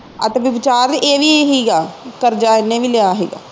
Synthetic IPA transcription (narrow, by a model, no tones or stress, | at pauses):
ət̪eʋɪʋɪt͡ʃaːɾeːʋiɦiːɡaːkəɾd͡ʒaːɪnẽːʋiːlejaːɦeːɡa̰ː